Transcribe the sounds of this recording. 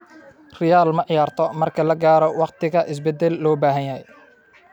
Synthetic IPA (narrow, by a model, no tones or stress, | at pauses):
rɪjaːlmɐʕɪjaːrt̪ʰɔmɐrkʰɐlɐɡaːɾɔwɑqt̪ʰɪɣɐʔɪs̬bɛd̪ɛlːɔːbaːɦɐnjɐhɛj